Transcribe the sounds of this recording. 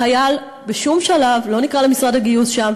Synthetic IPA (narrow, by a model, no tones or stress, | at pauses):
ajal | beʃumʃalavlo̞nikʁalemisʁadaɡijusʃam